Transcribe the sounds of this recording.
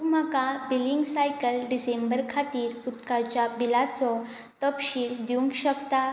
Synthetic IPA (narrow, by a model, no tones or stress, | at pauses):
m̤akabiliŋɡsajkəlɖisẽmbəɾkʰat̪iːɾut̪kat͡ɕjabilat͡sɔ | t̪əpɕiːld̪jũŋkɕəkt̪a